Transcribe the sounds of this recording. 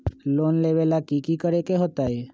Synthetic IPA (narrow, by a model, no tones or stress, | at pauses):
lonleʋelakikikəɾekeɦot̪ae